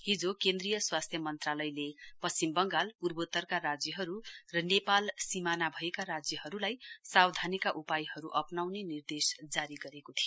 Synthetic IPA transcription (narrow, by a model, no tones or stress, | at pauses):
ɦid͡zokend̪rijʌswast̪ʰjʌmʌnt̪ralʌjlepʌst͡simbʌŋɡalpurbot̪ːʌrkaɾad͡zjʌɦʌɾurʌnepalsimanabʱʌekaɾad͡zjʌɦʌɾulajsawd̪ʱanikaʔupajhʌɾuʔʌpnawnenird̪esd͡zaɾiɡʌɾekot̪ʰijo